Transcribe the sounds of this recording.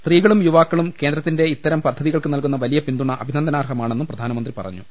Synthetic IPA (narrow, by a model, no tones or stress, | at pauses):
st̪riːɣɐɭumjuʋaːkːɐɭumke̞ːnd̪ɾɐt̪ːinde̞it̪ːɐɾɐmpɐd̪ʰʱɐðiɣɐɭkɨnɐlkunːɐʋɐlijɐpind̪uɳɐʔɐbʱinɐnd̪ɐnaːrɦɐmaːɳenːumprɐd̪ʱaːnɐmɐnd̪ripɐ̰rɐ̰ɲːu